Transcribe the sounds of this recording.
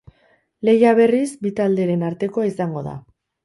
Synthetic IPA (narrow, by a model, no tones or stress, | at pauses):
le̞jaβ̞e̞rizbit̪ald̪e̞ɾe̞naɾt̪e̞ko̞aisaŋɡo̞ða̰